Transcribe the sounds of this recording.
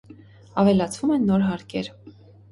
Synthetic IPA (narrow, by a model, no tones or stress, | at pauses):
ɑvɛlɑt͡sʰvumɛnːɔɾɦɑɾkʰɛɾ